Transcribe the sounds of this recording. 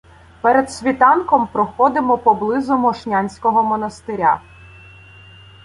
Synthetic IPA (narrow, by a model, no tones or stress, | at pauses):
pɛɾed̪sʲʋʲit̪ɑnkɔmpɾɔxɔd̪ɪmɔpɔblˠɪzʊmɔʃnʲanʲsʲkɔɦɔmɔnɐst̪ɪɾʲa̰